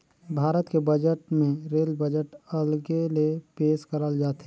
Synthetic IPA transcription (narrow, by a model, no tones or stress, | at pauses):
bʱaːɾət̪kebəd͡ʒəʈmẽɾeːlbəd͡ʒəʈəlɡelepeːʃkəɾəld͡ʒaːt̪ɦɛ